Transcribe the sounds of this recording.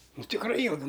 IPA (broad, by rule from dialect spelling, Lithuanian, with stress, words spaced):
ˈnʊ tʲɪkˈrɐɪ ˈjiːlˠɡʊ